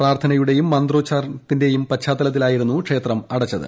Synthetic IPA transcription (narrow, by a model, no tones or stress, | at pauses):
praːrt̪ʰɐnɐjuɽe̞jumːɐnd̪ro̞ːt͡ɕːaːrt̪inde̞jumpɐt͡ɕʰaːt̪ːɐlɐt̪̬ːilaːjiɾunːukʂe̞ːt̪rɐmɐɽɐt͡ɕːɐðɨ̰